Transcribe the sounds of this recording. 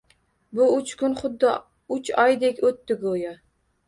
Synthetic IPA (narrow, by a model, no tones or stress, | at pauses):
bʊʊt͡ʃkʰʲʊnχʊd̪ːɪ | ʊt͡ʃɒjd̪ekʲot̪ːɪɡojɒ